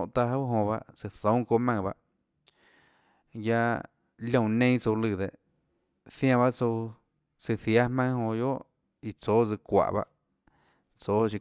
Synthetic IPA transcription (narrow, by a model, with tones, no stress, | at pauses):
ʔt̪a˧ɦa˦wɦõ˧βa̰˧ʔsɨ˧θõ˨˦ko˧mã˧ba˧ʔ | ja˧ | lʲõ˧˨nẽ˦t͡so˧lɨ˧˨d̪e˨ʔ | θjã˧βa˦ʔt͡so˧w | sɨ˧θja˦hmã˦hõ˧jo˦ʔ | i˧t͡soː˨˦d͡zɨ˧kʷa̰˨ʔβa̰˧ʔ | t͡so˨˦t͡ʃi˧